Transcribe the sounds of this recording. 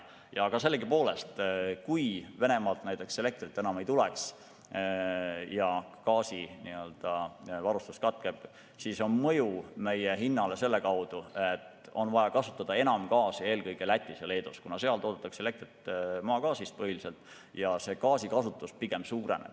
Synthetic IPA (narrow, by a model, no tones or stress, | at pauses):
jɑɡ̥ɑse̞lːeɡipo̞ːle̞st̪kujve̞ne̞mɑːlt̪næjt̪ːˑe̞kse̞le̞k̚t̪rit̪ːˑe̞nɑme̞jt̪uleks | jɑkɑːsiniøld̪̥ɑvɑɾust̪ust̪kɑt̪̚ke̞b̥ | siso̞nmɤjume̞jeɦinːɑle̞se̞lːe̞kɑwd̪̥uet̪ | o̞nvɑjɑkɑsu̥t̪ːˑɑd̪̥ɑe̞nɑmkɑːsie̞ːlkɤjɡ̥elæt̪ʲːˑisele̞ːd̪uskunɑse̞ɑlt̪oːd̪et̪ːˑɑkse̞le̞k̚t̪rit̪ːmɑːkɑːsist̪̚pɤhilise̞lt̪ːˑ | jɑse̞kɑːsikɑsut̪ːˑuspiɡ̥e̞msuːɾḛnḛb̥